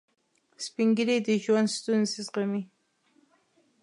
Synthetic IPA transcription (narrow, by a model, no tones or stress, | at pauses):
spɪŋɡɪɾɪt̪ɪʃʊwanst̪ʊnsɪsqɑmɪ